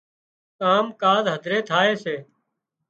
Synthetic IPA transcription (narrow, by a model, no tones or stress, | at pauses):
kaːmkaːzɦəd̪ʱɾeːt̪ʰaːeːseː